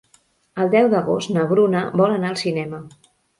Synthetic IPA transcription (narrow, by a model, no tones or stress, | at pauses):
əlˠd̪ɛwd̪əɣost̪nəβɾunəbɔlənaəlˠsinɛmə